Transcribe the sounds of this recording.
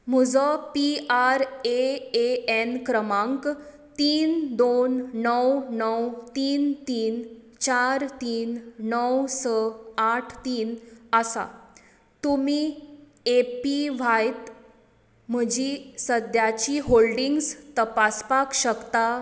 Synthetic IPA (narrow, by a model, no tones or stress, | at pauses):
m̤əd͡zɔpiaɾeeenkɾəmãŋk | t̪iːnd̪onːəwnəwt̪iːnt̪iːn | t͡ɕaɾt̪iːnnəwsəaʈʰt̪iːnəsa̰ | t̪umiː | epiʋ̤ajt̪ | m̤əd͡ʑisəd̪jat͡ɕiɦolɖiŋɡst̪əpaspakɕəkt̪a